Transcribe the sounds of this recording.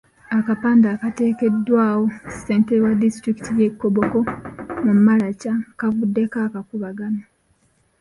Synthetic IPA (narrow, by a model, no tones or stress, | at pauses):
akapaːndaːkate̞ːke̞dːwaːwo̞se̞ːntewadistɾiki̥tʰije̞kːoβoko̞mummalacakavudːe̞kaːkakuβaɡama